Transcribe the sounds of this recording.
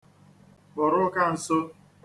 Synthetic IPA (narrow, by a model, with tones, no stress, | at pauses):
bʊ˨ɾʊ˦ka˦n̩˨sʊ˦